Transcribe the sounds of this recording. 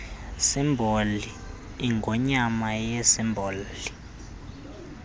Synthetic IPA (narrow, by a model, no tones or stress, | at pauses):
simbʱoliː | ŋɡʱɔɲamajɛsimbʱoːlli